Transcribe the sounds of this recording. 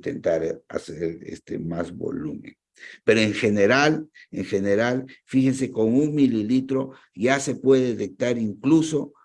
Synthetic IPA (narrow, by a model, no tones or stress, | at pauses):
t̪ḛnt̪aɾa̰seɾḛst̪ḛmazβo̰lṵmḛ̃n | pe̞ɾoeŋxe̞ne̞ɾaleŋxe̞ne̞ɾalfixens̬e̞ko̞ŋuŋmililit̪ɾo̞ | ʝase̞pwe̞ðeðet̪ek̚t̪aɾiŋkluso̞